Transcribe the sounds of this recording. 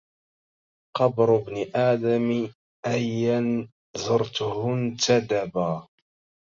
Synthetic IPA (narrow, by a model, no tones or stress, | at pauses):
qɑbɾʊbnɪʔaːd̪am | ʔajːan | zʊɾt̪ʊhʊnt̪ad̪abaː